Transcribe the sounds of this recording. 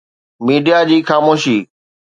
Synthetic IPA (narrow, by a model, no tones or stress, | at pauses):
miːɖijad͡ʑiːxaːmoːʃiː